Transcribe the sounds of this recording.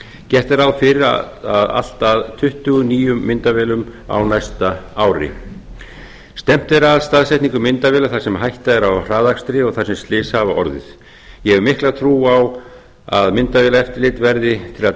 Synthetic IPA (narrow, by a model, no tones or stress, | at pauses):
cɛht̪ɛɾaðfɪɾɪɾ | aða̰l̥t̪aðt̪ʰʏht̪ʏɣʏniːjʏmːɪnt̪avɛːlʏma̰wnajst̪aaːwɾɪ̰ | st̪ɛm̥t̪ɛɾaðst̪aðsɛjt̪niŋkʏmːɪnt̪avɛːlaθasɛmɦajht̪aɛɾawr̥aːðakst̪ɾɪɔɣθasɛmst̪lɪːshavaʔɔɾðɪ̰ð̥ | jɛɛmɪhklaðt̪ʰɾuːaw | aðmɪnt̪avɛːlaɛft̪ɪɾlɪːt̪vɛɾðɪt̪ʰɪla